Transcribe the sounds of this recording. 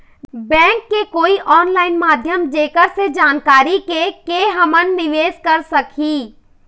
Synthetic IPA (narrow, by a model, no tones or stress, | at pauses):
bɛ̃ːŋkːekoːiʔɔːnlaːɪnmaːd̪ʱjəmd͡ʒeːkəɾsed͡ʒaːnkaːɾikekeɦəmənːɪʋeːd͡ʒkəɾsəkʰiː